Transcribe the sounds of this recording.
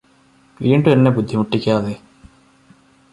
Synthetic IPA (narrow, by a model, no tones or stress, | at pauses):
ʋiːɳɖuenːe̞bud̪ʱːimuʈːikʲːaːðe̞